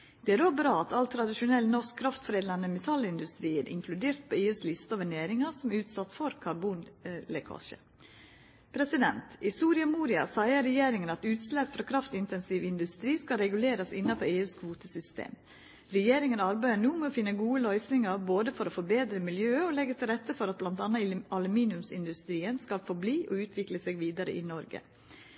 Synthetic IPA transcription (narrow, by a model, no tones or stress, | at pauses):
d̪̥ɛæɾoːbɾɑːɑt̪ʰɑlt̪ʰɾɑd̪ɪʃʊnɛlːnɔʂkkʰɾɑft̪fɾeːd̪ɑnməmɛt̪ʰɑlɪnd̪ʉst̪ɾiːəɾʔɪ̰ŋkʰlʉd̪eːɾt̪̚pʰoːeːʉːslɪst̪əɔʋæɳeːɾɪŋɑsɔmʉːt̪sɑt̪ːfɔɾkʰɑɾbuːnlɛkʰɑ̰ːʃə̰ | pʰɾɛsɪd̪ɛnt̪ɪsuːɾɪɑmuːɾɪɑ̰sæɪəɾɛjeːɾɪŋənɑt̪ʉːt̪slɛpːfɾɑːkʰɾɑft̪ɪnt̪ɛnsiːʋɪnd̪ʉst̪ɾiːskɑɾɛɡʉleːɾɑsɪnːɑpʰɔeːʉːskʰʋuːt̪əsʏst̪ḛːm | ɾɛjeːɾɪŋənɑɾbæɪəɳuːmɛofɪnːəɡuːəlœʏsnɪŋɑɾboːd̪əfɔɾofɔɾbeːd̪ɾəmɪljøːəɔlɛɡət̪ʰɪlɾɛt̪ːəfɔɾɑt̪̚blɑnt̪ɑnɑɑlʉmiːnɪʉmsɪ̰nd̪ʉst̪ɾiːənskɑlfɔɾbliːʔɔʉːt̪ʰʋɪkləseːɡʋiːd̪ɑɾə̰ʔɪnɔɾɡə̰